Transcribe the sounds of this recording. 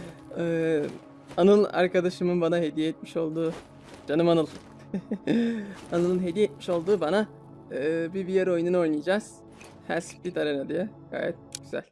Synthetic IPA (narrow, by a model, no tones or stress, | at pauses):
ɯː | anɯlˠa̰ɾkad̪aʃɯmɯnbanaɦe̞d̪ijɛɛt̪̚miʃo̞lˠd̪uː | d͡ʒanɯmanɯlˠ | anɯlˠɯnɦe̞d̪ijɛt̪̚miʃo̞lˠd̪uːbana | ɯbibijaɾo̞jnuno̞jnɯjd͡ʒaz̥ | hæ̰ɾsfbit̪ʰaɾenad̪ijɛɡ̥a̰ːjɛ̰t̪̚ɟ̥yzæ̰lʲ